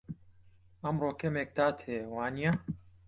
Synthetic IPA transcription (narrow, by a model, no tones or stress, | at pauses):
ɐmroːkʰɐmeːk̚d̪aːt̪ʰheːwaːnija